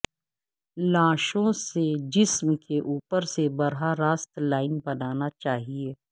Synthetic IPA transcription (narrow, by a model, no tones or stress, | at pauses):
lãːʃõsed͡ʒɪsmkeʔuːpəɾsebɐɾɦaɾaːst̪laːɪnbɐnaːnat͡ʃaːɦieː